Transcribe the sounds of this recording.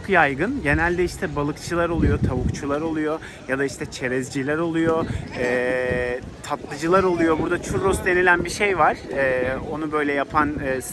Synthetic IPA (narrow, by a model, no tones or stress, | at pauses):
t͡ʃʰokjajɡɯnɟe̞nælʲd̪ɛiʃt̪ʰɛbalˠɯkt͡ʃʰɯlˠaɾo̞lˠujo̞t̪ʰaβukt͡ʃʰulˠaɾo̞lˠujo̞ | jad̪aiʃt̪ʰɛt͡ʃʰe̞ɾɛzd͡ʒilʲæɾo̞lˠujo̞ɛ | t̪ʰat̪lˠɯd͡ʒɯlˠaɾo̞lˠujo̞buɾd̪at͡ʃʰuɾosd̪e̞nilʲænbiʃe̞jvaɾ̥ɛːo̞nubø̞jlʲɛjapʰanːs